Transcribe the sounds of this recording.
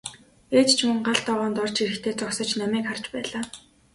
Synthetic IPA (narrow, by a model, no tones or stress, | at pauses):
eːt̪t͡ɕʰmɵŋɢaɬt̪ɔʁɔːnt̪ɔr̥t͡ɕiɾɘ̆xt̪ʰeːt͡sɔksə̆t͡ɕnamiːkχart͡ɕpæːɮaː